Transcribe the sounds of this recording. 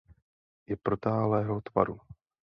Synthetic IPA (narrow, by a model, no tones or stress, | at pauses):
jɛpɾot̪aːlɛːɦot̪va̰ɾu